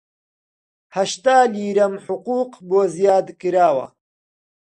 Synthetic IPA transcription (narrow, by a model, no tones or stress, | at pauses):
hɐʃt̪aːliːɾɐmħʊquːqboːzjaːd̪kɨɾaːwɐ̰